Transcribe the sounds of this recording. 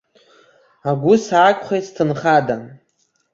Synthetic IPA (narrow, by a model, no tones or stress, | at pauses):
aɡʷʊsʕakʷʼχejttʰɨnχada